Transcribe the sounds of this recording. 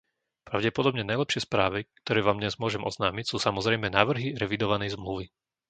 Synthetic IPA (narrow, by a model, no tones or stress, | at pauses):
pɾaʊɟɛpɔd̪ɔbɲɛnajlɛpʃɪɛspɾaːʋikt̪ɔɾɛːʋaːmd̪ɲɛzmʊɔʒɛmʔɔ̰znaːmicsuːsamɔzɾɛjmɛnaːʋr̩ɦiɾɛʋid̪ɔʋanɛjzmluʋi